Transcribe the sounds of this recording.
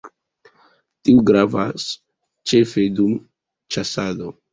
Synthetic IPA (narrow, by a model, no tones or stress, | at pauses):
tiuɡɾavas | t͡ʃe̞fe̞dum | t͡ʃasado̞